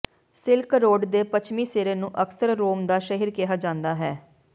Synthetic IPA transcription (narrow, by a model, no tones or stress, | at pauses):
sɪlkɾoːɖd̪eːpət͡ʃʰmiːseːɾeːnũːʔəksəɾːoːmd̪aːʃəɦiɾkɪɦaːd͡ʒãːnd̪aːɦɛː